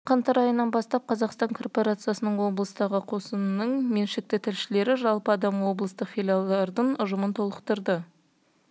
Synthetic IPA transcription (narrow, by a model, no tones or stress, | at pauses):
qʰɑnt̪ɑɾɑjənːɑnbɑst̪ɑp̚qʰɑzɑqst̪ɑŋkʰo̞rpo̞ɾat̪sɨjasənəɴwo̞blˠəst̪ɑʁəqʰo̞sənnəɴme̞nʃɪk̚t̪ɪt̪ʰɪlʃɪle̞ɾɪʒɑlˠpəɑd̪ɑmwo̞blˠəst̪əqfʲilʲjalˠd̪ɑɾd̪əɴʊʒəmənt̪ʰo̞lˠəqt̪əɾd̪ə